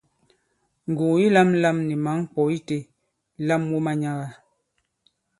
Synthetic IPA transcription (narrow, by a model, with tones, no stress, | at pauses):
ŋ˨ɡu˨ji˦la˦m˦la˦mni˨ma˨˦ŋ˦k͡pɔ˨i˦te˦ | la˦mwu˦ma˦ɲa˦ɣa˨